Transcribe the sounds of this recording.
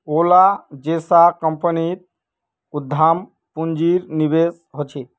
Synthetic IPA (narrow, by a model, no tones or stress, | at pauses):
olad͡ʒesakəmpənit̪̚ | ud̪ʱːam | pund͡ʒiɾnibes | ɦot͡ʃʰe